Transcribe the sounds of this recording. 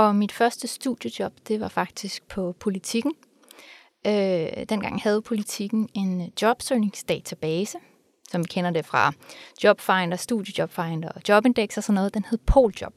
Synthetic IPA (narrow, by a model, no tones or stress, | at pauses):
ʔɒ̽mid̥fɶɐsd̥əsd̥uðˠjəd̥jɒ̽b̥d̥e̝ʋɑ̈fɑ̈ɡ̥̚d̥isɡ̥̚pʰɒ̽pʰo̝lit͡sʰiɡ̥n̩ | ød̥enɡ̥ɑ̈ŋ̰hæð̞̩ˠpʰo̝lit͡sʰiɡ̥n̩e̝nd̥jɒ̽b̥søːne̝ŋsd̥ɛ̰ːt͡sʰæb̥ɛːsə | sɒ̽mʋikʰen̰ɐde̝fʁɑ̈d̥jɒ̽b̥fɑ̈ɪnd̥ɐsd̥ṵðˠjə̥jɒ̽b̥fɑ̈ɪnd̥ɐd̥jɒ̽b̥e̝nd̥eɡ̥sɐsɒ̽nːɔ̽ːð̞̩ˠd̥enhe̝ð̞̩ˠpʰo̝̰ːld̥jɒ̽b̥